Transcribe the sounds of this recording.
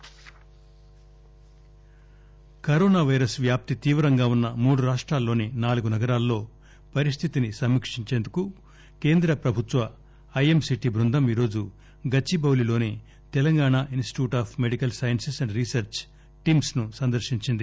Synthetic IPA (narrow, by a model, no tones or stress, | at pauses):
kɐɾoːnaːʋɐjɾɐsʋjaːp̚t̪it̪iːʋɾɐŋɡaːunːɐmuːɽuɾaːʂʈɾaːlːo̞ːninaːluɡunɐɡɐɾaːlːo̞ː | pɐɾist̪ʰit̪inisɐmːikʂiɲt͡ʃe̞ːnd̪uku | ke̞ːnd̪ɾɐpɾɐbʱut̪ʋɐː | jemsiʈibɾund̪ʱɐmiːɾo̞ːd͡ʒu | ɡɐt͡ʃːibɐwlilo̞ːni | t̪ɛlɐŋɡaːɳaʔinsʈi̥ʈjuːʈaːpʰme̞ɽikɐlsaːjɐnsisɐɳɖɾisɐɾt͡ʃ | ʈiːmsnusɐnd̪ɐɾʃiɲt͡ʃind̪i